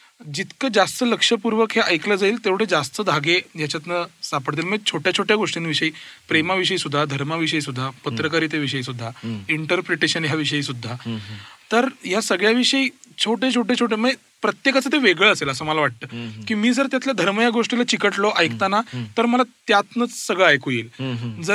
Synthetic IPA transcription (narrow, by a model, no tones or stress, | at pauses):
d͡ʑit̪kəd͡zast̪ələkʂəpuɾʋəkɦeʔəjkləːd͡zaiːlt̪eʋ̤əɽed͡zast̪əd̪ʱaɡejat͡ɕat̪nəsapəɽt̪̬iːlməɡt͡ɕʰoʈjat͡ɕʰoʈjaɡoʂʈinʋiʂəiːpɾemaʋiʂ̬əisud̪ʱːad̪ʱəɾmaʋiʂ̬əiːsud̪ʱːapət̪ɾəkaɾiːt̪jeʋiʂəiːsud̪ʱːaiɳʈəɾpɾeʈeɕənɦjaʋiʂəiːsud̪ʱːat̪əɾɦjasəɡɭjaʋiʂəiːt͡ɕʰoʈet͡ɕʰoʈet͡ɕʰoʈ̬eməe | pɾət̪jekat͡sət̪eʋeɡɭəəseləsəːməlaʋaʈ̚t̪əːkiːmiːd͡zəɾt̪jat̪ljad̪ʱəɾməjaɡoʂʈilat͡ɕikəʈlɔʔajkt̪anat̪əɾməlat̪jat̪nət͡ssəɡɭəajkoiːld͡zə